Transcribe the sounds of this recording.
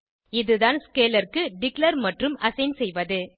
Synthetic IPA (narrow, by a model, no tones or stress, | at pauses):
ɪðɯðaːnskeːlɐɾkɯɖɪklɐɾmɐʈrɯmɐsɐɪnsɛjʋɐðɯ